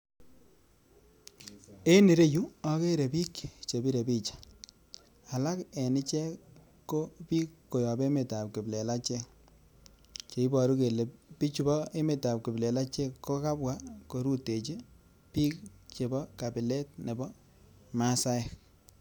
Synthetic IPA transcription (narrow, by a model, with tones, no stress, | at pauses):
e˦ni˨ɾe˦ju˦ɔ˦ke˦ɾe˨pi˦kt͡ʃe˨bi˦ɾe˨bi˦t͡ʃḁ˨ | a˨la˦kɛ˨nɪ˦t͡ʃɛ˦ | kːo˦pi˦kːo˨jɔ˨be˦me˨ta˨p̚kɪ˨ble˨la˦t͡ʃɛ˦k̚ | t͡ʃe˨i˦bɔ˨ɾu˦ke˨le˨pi˦t͡ʃu˦bɔ˦e˦me˨ta˨p̚kɪ˨ble˨la˦t͡ʃɛ˦kːo˦ka˦bwa˦ko˨ɾu˦te˨t͡ʃi˦ | pi˦kt͡ʃe˨bɔ˦ka˨bɪ˨le˦t̚ne˨bɔ˦ | ma˦sa˦ɪ˨k